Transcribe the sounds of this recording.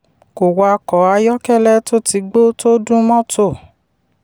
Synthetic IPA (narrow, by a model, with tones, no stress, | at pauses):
ko˨wa˧kɔ˨˦a˧jɔ˦kɛ˦˨lɛ˦to˦ti˧˦ɡ͡bo˦to˦dũ˦mɔ̃˦tʰo˦˨